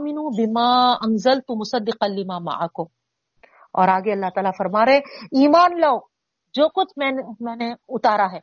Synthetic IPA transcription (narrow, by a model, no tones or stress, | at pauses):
mɪnuːbɪmaːɐnzɐlt̪ʊmʊsɐd̪ːɪqɐlɪmaːmɐ̰ʕakʊm | ɔ̰ːɾaːɡeɐlːaɦt̪aːlafɐɾmaːɾẽiːmaːnlaːo | d͡ʒoːkʊt͡ʃʰmɛ̃ːnmɛ̃ːneʊt̪aːɾaɦɛː